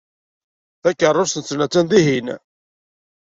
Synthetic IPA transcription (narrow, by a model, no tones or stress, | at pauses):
θækːərˤːʊst̪ənt͡sːlæt͡sːænd̪iɦin